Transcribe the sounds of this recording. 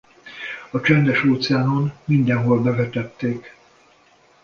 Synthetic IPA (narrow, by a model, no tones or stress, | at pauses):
ɒt͡ʃɛnd̪ɛʃoːt̪sɛaːnonmind̪ɛnɦo̞lbɛvɛt̪ɛt̪ːeːk